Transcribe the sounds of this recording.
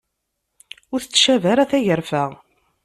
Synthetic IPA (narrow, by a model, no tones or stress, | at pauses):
ʊɾθət͡sːʃævæɾæθæʝəɾfæʁ